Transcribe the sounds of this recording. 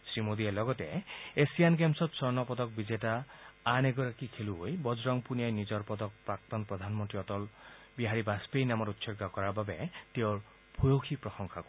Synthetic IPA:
sɹimod̪ielɔɡɔtɛesijankemsɔpsɔɹnɔpɔd̪ɔk̚bizetaːneɡɔɹakikʰeluojbɔzɹɔŋpunijajnizɔɹpɔd̪ɔk̚pɹak̚t̪ɔnpɔd̪ʱanmɔnt̪ɹiɔt̪ɔl | biɦaɹibaspejnamɔɾutsɔɾɡakɔɹababet̪ewɹ | bʱujokʰipɹɔsɔŋkʰakɔ

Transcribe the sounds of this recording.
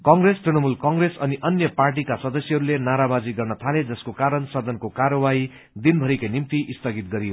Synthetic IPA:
kʌŋɡresʈrinʌmulkʌŋɡresʌniʔʌnjʌparʈ̬ikasʌd̪ʌsjʌɦʌɾulenaɾabad͡ziɡʌrnʌt̪ʰaled͡zʌskokaɾʌnsʌd̪ʱʌnkokaɾʌwai | d̪inbʱʌɾikanimt̪iʔist̪ʌɡit̪ɡʌɾijo

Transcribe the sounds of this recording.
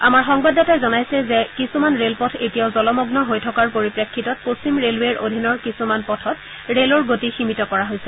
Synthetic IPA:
amaɹxɔŋbadɔtajzɔnajsɛzɛkisumanɹelpɔtʰetijaʊzɔlɔmɔɡnɔɦojtʰɔkaɹpoɹipɹekʰːitɔt̚post͡ɕimɹelweɹʔo̰dʱinɔɹkisumanpɔtʰɔt | ɹelɔɹɡotiximitɔkɔɹaɦojsɛ

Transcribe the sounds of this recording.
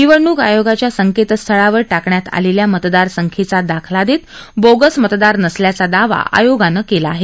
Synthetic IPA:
niʋəɳuːɡajoɡat͡ɕjasəŋket̪st̪ʰəɭaʋəɾʈakɳjat̪a̰leljamət̪d̪aɾsəŋkʰet͡sad̪akʰlad̪et̪boɡəsmət̪d̪aɾnəsljat͡sad̪aʋa̰ʔa̰joɡanəkelaːɦe

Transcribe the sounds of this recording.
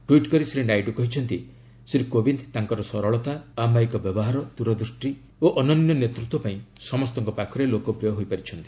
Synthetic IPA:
ʈuiʈkɔɾisɾinajʈukɔɦit͡ʃʰɔnt̪i | sɾikobind̪t̪aŋkɔɾɔsɔɾɔɭɔt̪aːmaikɔbjɔbɔɦaɾɔd̪uɾɔd̪ɾusʈi | oʔɔnɔninjɔnet̪ɾut̪wɔpaĩsɔmɔst̪ɔŋkɔpakʰɔɾelokɔpɾijɔɦojpaɾit͡ʃʰɔnt̪i̥

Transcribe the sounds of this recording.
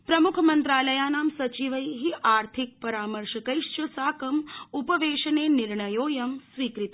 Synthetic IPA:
pɾɐmukʰɐmɐnt̪ɾaːlɐjaːnaːmsɐt͡ʃiʋɐjɦiʔaːɾt̪ʰik̚pɐɾaːmɐɾʃɐkɐjʃt͡ʃɐsaːkɐmupɐʋeːʃɐneːniɾɳɐjoːjɐmsʋiːkɾit̪

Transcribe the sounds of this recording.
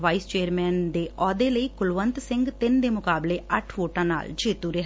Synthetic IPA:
ʋaːist͡ʃeːəɾmɛːnd̪eːʔɔːd̪eːləiːkʊlʋənt̪sɪŋɡt̪ɪnd̪eːmʊkaːbleːʔəʈʰʋoːʈãːna̰ːld͡ʒeːt̪uːɾeɦ

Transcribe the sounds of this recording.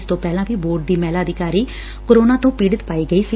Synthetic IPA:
st̪õːpɛːlãːʋiːboːɾʈ̚d̪iːmɛːlaːəd̪ɪkaːɾiː | koːɾoːnaːt̪õːpiːɽət̪paːiːɡəiːsi

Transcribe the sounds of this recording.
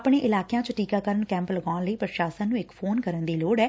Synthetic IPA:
pɳeːʔɪlaːkjãːt͡ʃəʈiːkaːkəɾəɳkɛ̃ːmpləɡaːnləiːpəɾʃaːsə̃nũːɪkpʰoːnkəɾənd̪iːloːɽɛː

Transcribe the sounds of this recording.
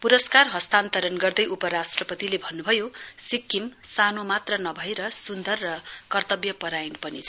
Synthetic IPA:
puɾʌskarɦʌst̪ant̪ʌɾʌnɡʌrd̪ʌjʔupʌɾasʈrʌpʌt̪ilebʱʌnːubʱʌjosikːimsanomat̪rʌnʌbʱʌeɾʌsund̪ʌrːʌkʌrt̪ʌbjʌpʌɾajnpʌnit͡sʰʌ

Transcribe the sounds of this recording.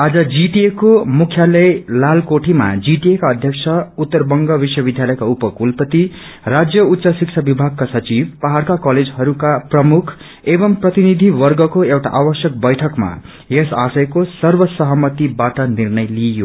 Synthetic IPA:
ad͡zʌd͡ziʈiekomukʰjalʌjlalkoʈʰima̰d͡ziʈiekaʌd̪ʱjʌkt͡sʰʌut̪ːʌrbʌŋɡʌbiswʌbid̪ʱjalʌjkaupʌkulpʌt̪i | rad͡zjʌut̪ːsʌsikt͡ʃʰabibʱaɡ̚kasʌt͡sibpaɦarkakʌled͡zɦʌɾukaprʌmukʰ | ebʌmprʌt̪inid̪ʱiwʌrɡʌkoewʈa̰ʔawʌsjʌk̚bʌjʈʰʌkma̰ | jesasʌjkosʌrbʌsʌɦʌmʌt̪ibaʈʌnirnʌjlijo

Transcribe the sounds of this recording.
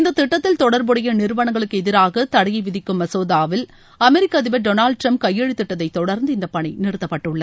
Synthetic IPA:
ɪnd̪ɐt̪ːɪʈːɐt̪ːɪlt̪ɔɽɐɾbɯɽɐjɐnɪɾɯʋɐɳɐŋɡɐɭɯkːɯɛðɪɾaːɣɐt̪ɐɽɐjɐɪʋɪðɪkːɯmːɐsoːðaːʋɪl | ɐmɛɾɪkːɐðɪʋɐɖonaːlɖ̚ʈɾɐmp̚kɐjːeɻit̪ːɪʈːɐðɐɪt̪ːɔɽɐɾnd̪ɯɪnd̪ɐpːɐɳɪnɪɾɯt̪ːɐpːɐʈːɯɭːɐ

